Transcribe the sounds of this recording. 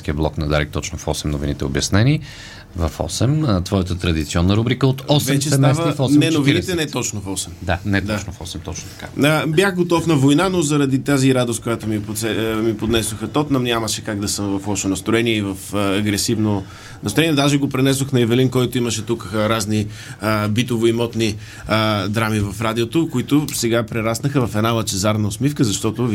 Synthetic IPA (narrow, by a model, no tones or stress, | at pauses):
skiəblˠɔknɐd̪a̰ɾɛ̰k̚t̪ɔt͡ʃnofɔ̰sɛmnovinit̪ɛo̰bjɐsnɛni | vɐfɔ̰sɛmt̪vɔjət̪ət̪ɾɐd̪it̪siɔnːəɾubɾikəot̪ɔsvɛt͡ʃɛst̪ɛvəfɔnɛnovinit̪ɛnɛt̪ɔt͡ʃnofɔsɛmd̪anɛtd̪anofɔsɛmt̪ɔt͡ʃnot̪ɐ̥kaəbjaxɡot̪ɔfnɐvojnanozɐɾɐd̪it̪aziɾad̪os̚kojat̪omipot̪sɛmipod̪nɛsoxɐt̪ɔt̪nɐmnʲamɐʃɛkaɡd̪ɐsəmvɐfɔʃonɐst̪ɾoɛniɛivɐfəːɡɾɛsivno | nɐst̪ɾɛniɛd̪aʒɛɡopɾɛnɛs̬oxnɐɛvɛlinkɔjt̪ʊimɐʃɛt̪ukɾazni | əbit̪ovoimɔt̪ni | əd̪ɾamivɐfɾad̪iot̪okʊit̪ʊsɛɡapɾɛɾasnəxəvɐfɛd̪nalɐt͡ʃɛzaɾnɐosmifkəzɐʃt̪ɔt̪ʊ